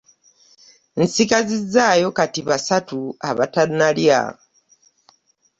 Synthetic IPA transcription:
n̩sikazizːaːjo̞katiβasatua̰βatanːalja̰

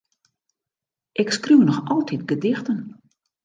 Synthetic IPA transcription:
ʔɪkskruwnɔxɔlˠtʰitɡədɪxtən

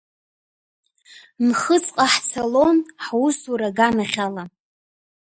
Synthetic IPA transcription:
nχət͡sʼqʼaħt͡sʰalo̞nħusuɾaɡanaχʲala

